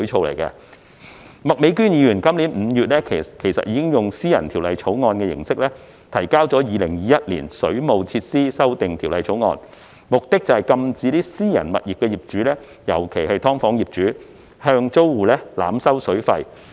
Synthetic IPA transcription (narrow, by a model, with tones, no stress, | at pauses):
t͡sʰo˨˧wlɐ̰˨˩jkɐ̰˧ | mɐ˨˩k̚me˨˥jkyː˥njiː˨˧jyː˨˩nkɐ˥mliː˨˥nm̩ː˨˧jyː˨t̚lɛː˥kkʰe˨˩jsɐ̰˨t̚jiː˧kɪ˥ŋjʊ˨ŋsiː˥jɐ˨˩nt̪ʰiː˨˩wlɐ˨jt͡sʰo˨˥wŋɔː˧nkɛː˧jɪ̰˨˩ŋsɪ˥k̚lɛː˥ | t̪ʰɐ˨˩jkaː˥wt͡sɔː˨˥jiː˨˧lɪ˨˩ŋjiː˨˧jɐ˦˥t̚lḭː˨˩nsɵ˨˥ɥmo˨wt͡sʰiː˧t̚siː˥sɐ˥wt̪ɪ˨ŋt̪ʰi˨˩wlɐ˨˩jt͡sʰo˨˥wŋɔ̰ː˧n | mʊ˨k̚t̪ɪ˥k̚t͡sɐ˨˩hɐ˨jkɐ˧mt͡siː˨˧t̪iː˥siː˥jɐ̰˨˩nmɐ˨t̚ji˨k̚kɛː˧jiː˨˩p̚t͡ʃyː˨˥lɛː˥ | jɐ˨˩wkʰe˨˩jɦɐ˨jt̪ʰɔː˥ŋfɔː˨˥ŋjiː˨˩p̚t͡ʃyː˨˥ | hœː˧ŋt͡so˥wwuː˨˩lɛː˥la̰ː˨˥msɐ˥wsɵ˨˥ɥfɐ˧j